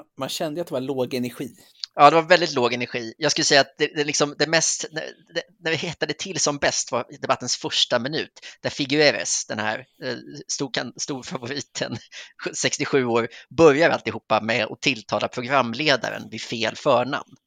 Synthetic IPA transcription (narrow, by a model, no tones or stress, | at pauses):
manɕɛnd̪əjat̪̚d̪ɛvaɭoːɡɛnæɾɧiː | ɑːd̪ɛvaɾvɛld̪ɪt̪loːɡɛnæɾɧiːjɑɡskɵlːəsɛjːaːt̪̚d̪ɛd̪ɛlɪksɔmd̪ɛmɛst̪næ̰ | d̪ɛnæɾvɪhɪt̪ːad̪ət̪ʰɪlsɔmbɛst̪vaɾd̪ɛbat̪ːənsfœʂʈamɪnʉ̟̰ːt̪d̪æɾfɪɡʉeːɾasd̪̥ɛnhæ̰ːɾ | st̪uːkʰanst̪uːɾfavʊɾiːt̪ʰə̰nsɛkst̪ɪɧʉ̟ːoːɾbœɾjaɾalt̪ɪhuːpːamɛɔ̰t̪ʰɪlt̪ʰɑːlapʰɾʊɡɾamːleːd̪a̰ɾə̰nvɪfeːlfœːɳa̰mn